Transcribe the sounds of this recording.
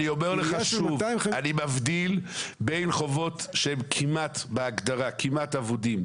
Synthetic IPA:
nijomeʁleχaʃuvanimavd̪ilbe̞jnχo̞vo̞t̪ʃeemkʰimat̪beaɡd̪aʁakʰimat̪avod̪im

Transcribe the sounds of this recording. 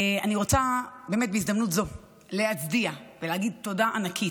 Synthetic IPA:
eaniʁo̞t͡sabeːmet̚beizd̪amnutzo̞ | leat͡sdiaveleaɡid̚to̞daʔanakʰit

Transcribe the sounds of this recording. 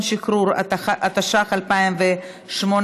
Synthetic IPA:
nʃikɾuɾʔat̪aʃaχalpaimve | ʃmon

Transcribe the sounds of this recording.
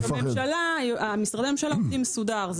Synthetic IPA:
amemʃalaamisʁadeamemʃalaodimːesud̪aʁz

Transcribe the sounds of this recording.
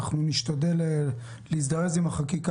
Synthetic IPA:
χnuniʃt̪ad̪e̞le | leisd̪aʁezimhaχakik

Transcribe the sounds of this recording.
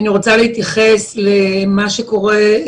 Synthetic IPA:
niʁo̞t͡saleit̪jaχeslemaʃeko̞ʁe

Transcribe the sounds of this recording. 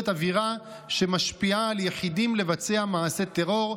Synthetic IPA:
t̪aviʁa | ʃe̞maʃpiaːljeħidimle̞vat͡se̞amaase̞t̪eʁo̞ʁ

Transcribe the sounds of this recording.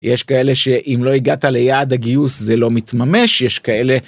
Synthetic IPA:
jeʃkae̞le̞ʃe̞ʔimlo̞iɡat̪alejaːd̪aɡiuszelo̞mit̪mame̞ʃjeʃkae̞le̞

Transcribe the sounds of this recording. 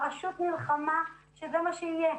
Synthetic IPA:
aʃut̪nilχama | ʃezemaʃeije

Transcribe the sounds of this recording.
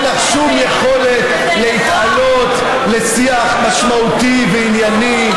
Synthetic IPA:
naχʃumjeχo̞le̞t̪ | leit̪ʔalo̞t̪ | le̞siaχmaʃmaut̪iveinjani

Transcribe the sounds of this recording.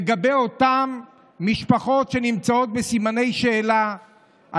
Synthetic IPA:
eɡabejo̞t̪amː | iʃpaχo̞tʃe̞nimt͡sao̞t̪̚besimane̞jʃe̞ːla | ʔa

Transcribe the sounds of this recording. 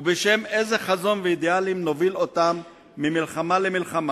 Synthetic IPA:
ubeʃe̞me̞zeχazo̞nveid̪ealimnovilot̪amː | imilχamalemilχama

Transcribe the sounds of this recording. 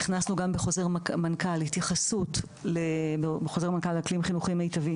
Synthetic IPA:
niχnasnuɡambeχo̞ze̞ʁmamankalhitjaχasut | lebebeχo̞ze̞ʁmankalːklimχinuχimaitavim

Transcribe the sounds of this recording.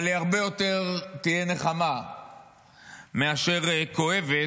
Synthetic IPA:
aleaʁbe̞jo̞t̪e̞ʁt̪ijene̞χama | meaʃe̞ʁko̞e̞ve

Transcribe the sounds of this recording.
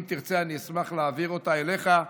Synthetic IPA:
mt̪iʁt͡seaniismaχleːviʁo̞t̪aele̞χa

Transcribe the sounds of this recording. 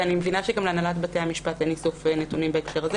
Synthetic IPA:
animevinaʃeɡamleanalatbateamiʃpatenisofenetunimbeekʃeʁaze

